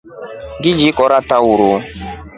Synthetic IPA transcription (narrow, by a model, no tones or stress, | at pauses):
ɡid͡ʒikɔɾatawoɾo